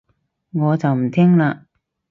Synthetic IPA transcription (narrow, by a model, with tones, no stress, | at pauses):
ŋɔː˨˧t͡sɐ˨wm̩˨˩t̪ʰɛː˥ŋlaː˧